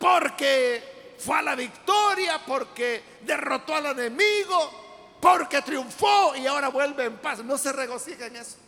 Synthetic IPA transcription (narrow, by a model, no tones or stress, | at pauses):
poɾkefwealaβikt̪oɾjapo̞ɾke | ðero̞t̪o̞ale̞ne̞miɣo | po̞ɾke̞t̪ɾjuɱfoiao̞ɾaβwe̞lβeːmpasno̞se̞re̞ɣo̞sixaeŋeso̥